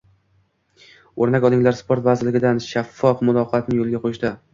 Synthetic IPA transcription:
oɾnakʲɒlˠɪŋlaɾspʰoɾt̪vazɪɾlɪɡʲɪd̪anʃafːɒfmʊlˠɒqʰɑat̪nɪŋjolˠɪɡʲaqʰoʃd̪a

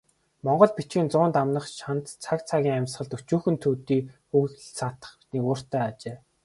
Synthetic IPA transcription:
mɔɴɢɞ̆ɮpit͡ɕɡiːnt͡sʊːnt̪amnə̆χʃan̥t̪t͡sʰakt͡sʰaɣʲiːŋamʲsχə̆ɮt̪ɵt͡ɕuːxɵ̆nt̪ʰuːt̪iːxuɣɮsat̪ə̥̆χniːkʊːr̥t̪æːat͡ɕeː

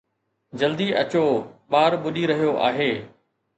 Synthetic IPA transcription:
d͡ʑɐld̪iʔɐt͡ɕoːɓaːɾɓʊɗiɾɐɦijoʔa̰ːɦeː

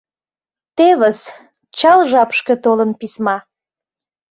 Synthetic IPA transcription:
t̪eβəs | t͡ɕɑlʒɑpʃke̽t̪olənpismɑ

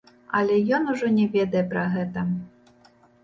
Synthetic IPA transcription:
ɐ̰lʲɛjɔnuʐɔnʲɛvʲɛd̪ɐjɛpɾɐɣɛt̪ɐ

